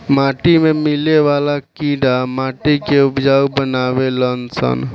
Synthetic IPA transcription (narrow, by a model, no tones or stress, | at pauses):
maʈimemileʋalakiɖamaʈikeupd͡ʒaubənaβelənsə̰n